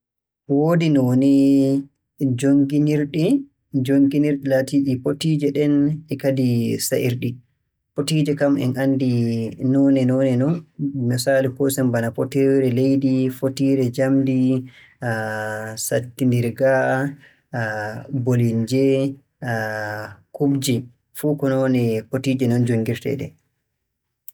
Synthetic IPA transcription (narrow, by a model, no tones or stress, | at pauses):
woːdinɔni | d͡ʒoŋɡiniɾɗi | d͡ʒoŋɡiniɾɗilatiɗipotiːd͡ʒɛɗɛnɛkadisaʔiɾɗi | potid͡ʒɛkamɛ̰nʔandinɔnɛnɔnɛnɔnmisaːlikɔsɛmbanapɔtɛwɾɛlejdifotiːɾɛd͡ʒamdi | satːindiɾɡa | bolind͡ʒɛ | kubd͡ʒi | fukɔnɔnɛpotiːd͡ʒɛnɔnd͡ʒoŋɡiɾtɛ̰ɗɛ̰